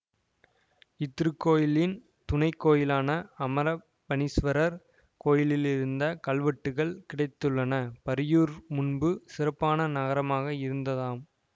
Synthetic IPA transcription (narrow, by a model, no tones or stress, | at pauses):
ɪt̪ːɪɾɯkːoːjɪlɪn | t̪ʊnɐɪkːoːjɪlaːnɐɐmɐɾɐ | pɐnɪsʋɐɾɐɾ | koːjɪlɪlɪɾɯnd̪ɐkɐɭʋɐʈːɯɣɐɭkɪɽɐɪt̪ːɯɭːɐnɐpɐɾɪjuːɾmʊnbɯsɪrɐpːaːnɐnɐɣɐɾɐmaːɣɐɪɾɯnd̪ɐðaːm